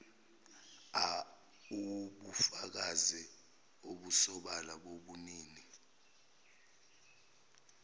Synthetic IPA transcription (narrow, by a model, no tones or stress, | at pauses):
a | uɓufak̬azi | oɓusɔɓalaɓoɓuniːni